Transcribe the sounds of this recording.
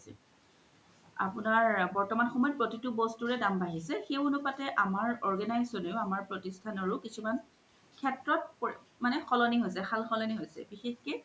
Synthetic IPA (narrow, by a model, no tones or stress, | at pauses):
sɛ̰ | a̰pʊnaɹbɔɹtɔmanxɔmɔjɔpɹotitʊbɔstuɹɛdambaɦisɛxewunʊpatɛʔamaɹɔɹɡɛnajzɔnejʊamaɹpɹɔtistʰanɔɹʊkisʰuman | kʰɛtɹɔt̚pmanɛxʰɔlɔniɦojs̬ɛxʰalxɔlɔniɦojsɛ̰bixexkɛ